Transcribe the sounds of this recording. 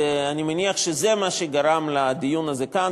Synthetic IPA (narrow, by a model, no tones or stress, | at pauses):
animaniaχʃezemaʃeɡaɾamlad̪ijunaze̞kan